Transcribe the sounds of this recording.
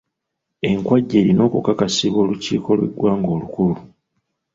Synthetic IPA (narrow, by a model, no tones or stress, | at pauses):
e̞ŋkwaɟːe̞ːɾino̞ːkukakasiβo̞ːlucḭːko̞lwḛɡwaːŋɡo̞ːlukulu